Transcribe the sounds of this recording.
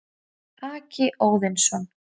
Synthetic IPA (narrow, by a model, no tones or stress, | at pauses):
aːcɪʔoːwðɪnsɔn